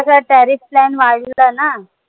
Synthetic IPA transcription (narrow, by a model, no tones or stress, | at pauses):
əsaʈɛɾifplɛnʋaɭilana